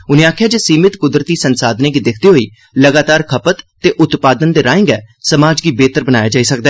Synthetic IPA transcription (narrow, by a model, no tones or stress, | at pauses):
ʊnẽaːkʰjaːd͡ʒeːsiːmɪt̪kʊd̪ɾət̪iːsənsaːd̪neːɡiːd̪ɪkʰd̪iːɦoːiː | ləɡaːt̪aːɾkʰəpət̪ːeːʔʊt̪paːd̪ənd̪eːɾaːɪ̃ŋɡɛːsəmaːd͡ʒɡiːbeːt̪əɾbənaːjaːd͡ʒaːiːsəkd̪aɛː